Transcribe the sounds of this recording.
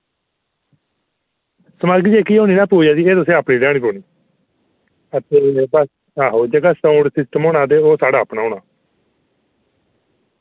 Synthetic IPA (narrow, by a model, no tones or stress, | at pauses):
səmaːɡid͡ʒeːkiːɦoːniːnaːpoːijaːsiːeːt̪ʊsẽːəpniːlɛːɽ̃iːpoːniː | ət̪eːbəs | aːɦoːd͡ʒəːɡaːsaʊɳɖsɪsʈəmoːnãːt̪̬eːoːsaːɖɽaːəpnaːɦoːnaː